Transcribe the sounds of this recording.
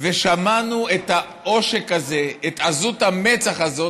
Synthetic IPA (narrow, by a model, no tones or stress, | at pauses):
veʃamanuet̪a | o̞ʃekazeet̪azut̪hamet͡saχazo̞